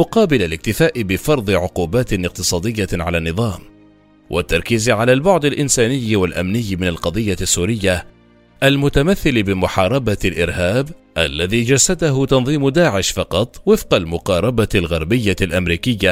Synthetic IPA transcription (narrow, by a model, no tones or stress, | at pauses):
mʊqɑːbɪlalɪk̚t̪ɪfaːʔɪbɪfɑɾˤd̪ˤɨʕʊquːbaːt̪nɪq̚t̪ɨsˤɑːd̪ɪjːaʕalaːnːɨðˤɑːm | wʔa̰t̪ːɑɾˤkiːzʕalaːlbʊʕd̪alʔɪnsaːnɪjːwalʔa̰mnɪjːmɪnalqɑd̪ˤɨjːasːuːɾɪjːa | ʔalmʊt̪amaθːɪlɪbɪmʊħɑːɾˤɑbalʔɪɾhaːb | ʔalːaðiːd͡ʒasːad̪aɦʊt̪ɑnðˤiːmʊd̪aːʕɪʃfɑqɑt̪ˤwɪfqɑlmʊqɑːɾˤɑbalɣɑɾˤbɪjːalʔamɾiːkɪjːa